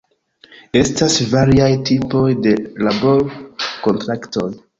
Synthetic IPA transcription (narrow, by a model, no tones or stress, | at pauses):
e̞stasvaɾiajtipo̞jde̞labo̞ɾko̞ntɾakto̞j